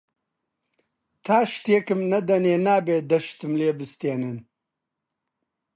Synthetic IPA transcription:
t̪ʰaːʃt̪ekɨmnɐd̪ɐneːnaːbeːd̪ɐʃt̪ɨmleːbɨst̪eːnɨn

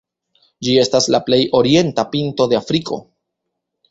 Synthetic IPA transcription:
d͡ʒie̞staslaple̞jʔo̞ɾie̞ntapinto̞de̞afɾikʰo̞̰

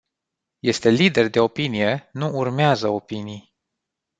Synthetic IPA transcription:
je̞st̪e̞lid̪e̞rd̪e̞o̞pinije̞nuurmeazəo̞pinij

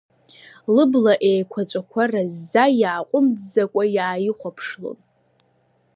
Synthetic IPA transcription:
lɨblaʔejkʷʰat͡ʃʷʼakʷʰarazːajaːqʷʼʊmd͡zzakʷʼajaːjiχʷapʰʂlo̰n

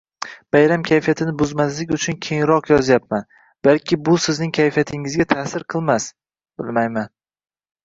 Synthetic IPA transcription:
b̥ajɾamkʲʰajfijat̪ʰɪnɪbʊzmas̬lɪkʲʊt͡ʃʰʊnkʲʰeŋɾɒqjɒzjap̚man | b̥alkʲʰɪbʊsɪznɪŋkʲʰajfijat̪ʰɪŋɪzɡʲat̪ʰaːsɪɾqʰɨlˠmas | b̥ɪlˠmajman

